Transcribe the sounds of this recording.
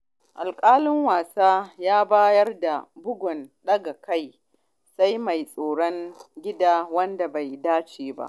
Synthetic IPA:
ʔa̰˨lkʼaː˦lɪ˦ŋwaː˨saː˦jaː˦baː˦jɐ˦rda˨bʊ˦ɡʷɔ˨nɗɐ˦ɡa˨ka˦j | sa˦jma˨jsʼoː˨ɽɔ˦ŋɡʲɪ˦daː˦wɐ˦nda˨ba˨jdaː˦t͡ʃeː˨ba̰˦ʔ

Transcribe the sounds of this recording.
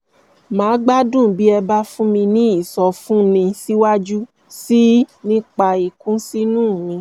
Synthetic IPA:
mãː˨˦ɡ͡ba˦dũ˦˨bi˦ɛ˧ba˦fũ˦mĩ˧nĩ˦i˦˨sɔ˧fũ˦nĩ˧si˦wa˦d͡ʒu˦ | si˦nĩ˦k͡pa˧i˨kũ˦si˦nũː˦˨mĩ˧

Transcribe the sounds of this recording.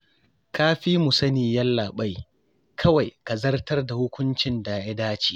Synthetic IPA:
kʰaː˦ɸiː˦mʊ˨sɐ˦niː˨jɐ˦lːaː˨ɓa˦j | kʰɐ˦wa˨jka˨zɐ˦rtɐ˦rda˨hʊ˦kʷʊ˦nt͡ʃɪ˨nda˨ja˦daː˦t͡ʃi̥ː˨

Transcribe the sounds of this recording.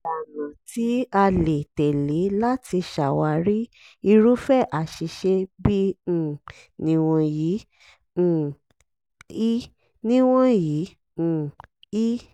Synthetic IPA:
a˨nã˨ti˨˦a˧le˨tɛ˨le˨˦la˦ti˧ʃa˨wa˧ɾi˦ | i˧ɾu˦fɛ˦˨ʔa˨ʃi˧ʃe˧bĩ˦˨ | nĩ˨w̃ɔ̃˧jĩ˨˦˨ | i˦ | nĩ˦w̃ɔ̃˦jĩ˨˦˨ | i˦

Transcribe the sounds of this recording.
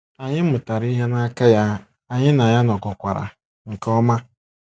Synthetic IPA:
a˨ɲɪ˦ʊ˨ta˨ɾi˦ɦe˦na˦ka˦ja˦ | a˨ɲɪ˦na˨ja˦nɔ˨ɡɔ˨kʷa˨ɾa̰˨ | ŋ̩˨kɔ˦ma˦

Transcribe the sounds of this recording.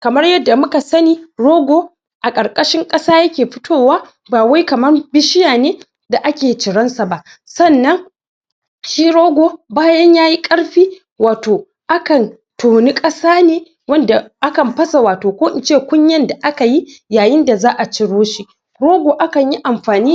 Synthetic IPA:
kɐ˨mɐ˦rjɐ˦dːa˨mʊ˦ka˨sɐ˦niː˦ɽoː˦ɡʷoː˦ | ʔa˨kʼɐ˨ɾkʼɐ˦ʃɪ˦ŋkʼɐ˦saː˦jɐ˦kʲeː˨ɸɪ˦tʰoː˦˨waː˦ | baː˨wa˦jkɐ˨mɐ˦rbɪ˦ʃɪ˦jaː˨neː˦ | da˨ʔa˦kʲeː˨t͡ʃɪ˨ɽɐ˦nsa˨ba˦˨ʔ | sɐ˦˨nːɐ˦ŋ | ʃiː˦ɽoː˦ɡʷoː˨baː˦jɐ˦ɲjaː˦ji˦kʼɐ˦ɽɸiː˦ | waː˨toː˨ | ʔa˦kɐ˨n | tʰoː˨ni˦kʼɐ˦saː˦neː˦ | wɐ˦nda˨ʔa˦kɐ˨mɸɐ˦sa˨waː˨toː˨kʷoː˦ʔɪ˨nt͡ʃeː˦˨kʷʊ˦ɲjɐ˦nda˨ʔa˦ka˨ji˦jaː˨jɪ˦nda˨zaː˦ʔa˨t͡ʃɪ˨ɽoː˦ʃi˦ | ɽoː˦ɡʷoː˨ʔa˦kɐ˨ɲji˦ʔa˨mɸaː˨niː˦

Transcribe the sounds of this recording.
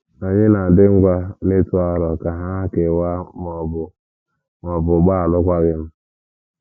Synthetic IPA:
a˨ɲɪ˦na˨dɪ˦ŋ̩˦ɡʷa˦ne˦tʊ˦a˦ɾɔ˨ka˨ɦa˦ke˨wa˦m˨bʊ˨ | mɔ˨bʊ˨ɡ͡ba˦a˨lʊ˦kʷa˦ɡɪ˦m̩˦

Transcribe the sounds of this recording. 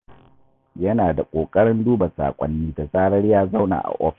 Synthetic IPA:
jɐ˦naː˨da˨kʷʼoː˨kʼɐ˦ɽɪ˦nduː˦ba˨sa̰ː˨kʷʼɐ̰˦nːiː˦da˨sʼaː˦ɽɐ˦ɽjaː˦za˦wna̰ː˨ʔa̰˨ʔɔ˦ɸ

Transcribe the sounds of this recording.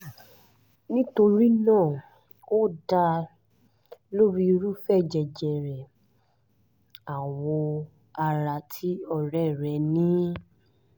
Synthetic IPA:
nĩ˦to˧ɾi˦nãː˦˨ | o˦da˧ | lo˦ɾi˦˧ɾu˦fɛ˦˨d͡ʒɛ˨d͡ʒɛ˨ɾɛ˨ | a˨wɔ˧ | a˧ɾa˧tʰi˨˦ɔ˧˨ɾɛ˦˨ɾɛ˨˦nĩ˦

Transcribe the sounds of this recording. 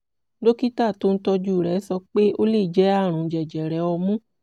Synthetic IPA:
do˦ki˦ta˦˨to˦n̩˦tɔ˧d͡ʒu˦˨ɾɛ˨˦sɔ˧k͡pe˦o˦le˦˨d͡ʒɛ˨˦a˦˨ɾ̃ũ˨˦d͡ʒɛ˨d͡ʒɛ˨ɾɛ˨˦ɔ˧mũ˦

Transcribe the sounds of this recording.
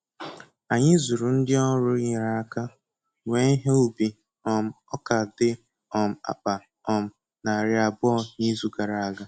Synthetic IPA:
a˨ɲɪ˦zu˨ɾu˨n̩˦dɪ˦ɔ˦ɾʊ˦i˨ɾa˦a˦ka˦ | we˨˦i˦ɦe˦u˦bi˨ | ɔ˨m̩˨ɔ˦ka˨dɪ˦ | ɔ˨m̩˨a̰˨k͡pa˨ | ɔ˨m̩˨ | na˨ɾɪ˨a˨bʊ˦ɔ˦ɲi˦zu˦ɡa˨ɾa˨a˨ɡa˦

